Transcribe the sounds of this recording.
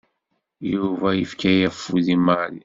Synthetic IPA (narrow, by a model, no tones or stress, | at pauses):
juvæjəfkæjæfːuðimɑɾi